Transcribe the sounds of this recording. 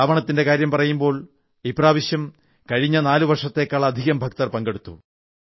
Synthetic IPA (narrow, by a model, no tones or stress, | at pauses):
aːʋɐɳɐt̪ːinde̞kaːɾjɐmpɐrɐjumbo̞ːɭ | ipraːʋiɕjɐm | kɐɻiɲːɐnaːluʋɐrʂɐt̪ːe̞ːkːaːɭɐːd̪ʱiɣɐmbʱɐk̚t̪ɐrpɐŋɡe̞ɽut̪ːṵ